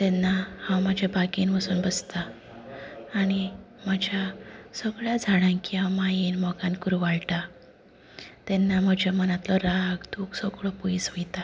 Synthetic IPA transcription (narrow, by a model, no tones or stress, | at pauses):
t̪ɛnːahãwməd͡ʑʱjabʱaɡiːnʋəsuːnbəst̪aː | ɽ̃i | m̤əd͡ʑʱjasəɡɭjad͡zʱaɽãnkiɦãwmajiːnmɔɡãnkuɾuʋaɭʈa | t̪ɛnːam̤əd͡ʑʱjamənat̪lɔɾaɡd̪uɡsəɡɭɔpuisʋojt̪a